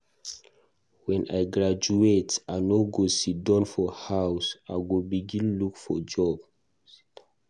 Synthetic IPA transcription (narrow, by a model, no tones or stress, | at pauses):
wɛ̃najɡɹad͡ʒuetanoɡosidɔ̃nfɔhawsaɡobiɡĩnlukfɔd͡ʒɔb̥